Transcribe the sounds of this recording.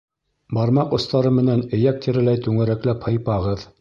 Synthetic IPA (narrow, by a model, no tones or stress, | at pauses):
bɑɾmɑqŏst̪ɑɾɤmɘ̆nænɘ̆jæk̚t̪iɾɘ̆læjt̪ʉŋɘ̆ɾæklæphɤ̆jpɑʁɤð